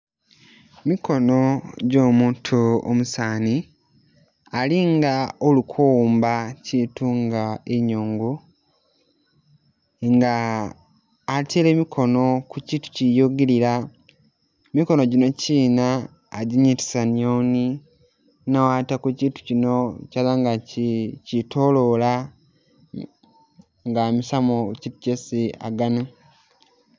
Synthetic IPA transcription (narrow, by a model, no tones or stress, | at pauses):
miko̞noɟo̞ːmuːntʰuo̰musaːni | aliŋɡaolukʰowːmbacituŋɡaeɲoːŋɡo | ŋɡa | tʰele̞ːmikʰo̞no̞kuciːtu̥cijoɡeɾiɾa | emiko̞no̞ɟino̞ciːnaː | ɟiɲiti̥sanioːni | nawatakuciːtu̥cinocalaŋɡacitʰo̞lo̞la | ŋɡamisamocipcesia̰ɡana